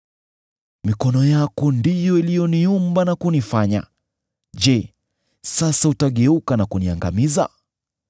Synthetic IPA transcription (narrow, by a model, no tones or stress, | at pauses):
mikɔnɔjakɔndijɔilijɔniumbanakunifaɲa̰ | ʄɛ | sasautaɠɛukanakunia̰ŋɡa̰miza̰